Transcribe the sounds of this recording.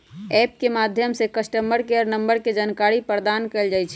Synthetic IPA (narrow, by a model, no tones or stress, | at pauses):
ɛp̚kemad̪ʱjəmsekəsʈəmbəɾkeəɾnəmbəɾked͡ʒankaɾipɾd̪ankəɪld͡ʒajt͡ʃʰɛ